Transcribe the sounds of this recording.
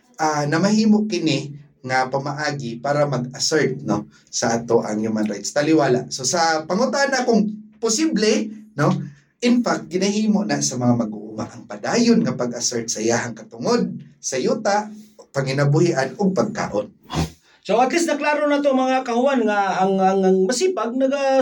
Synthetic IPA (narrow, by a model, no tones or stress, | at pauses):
ʔanɐmahiːmoʔkɪnɪ | ŋapɐmaʔaːɡɪpaːɾamɐɡasɛɹt̪̚no | sɐʔaːt̪oʔa̰ŋjumanɾa̰jt̪st̪alɪwaːla̰ʔsosɐpɐŋʊt̪aʔanakoŋpʊsiblɛno | ʔɪnfak̚t̪̚ɡɪnahiːmoʔnasɐmɐŋamɐɡʊʔʊma̰ʔɐŋpad̪aːjonŋapaɡɐsɛɹt̪̚sɐjaːɦaŋkɐt̪ʊŋod̪̚sɐjuːt̪aʔpɐŋɪnabʊhiʔanʊɡ̚paɡ̚ka̰ːʔon | soat̪lɪsnɐklaɾonaːt̪omɐŋakahʊanŋaːŋaŋamasipaɡ̚nɐɡa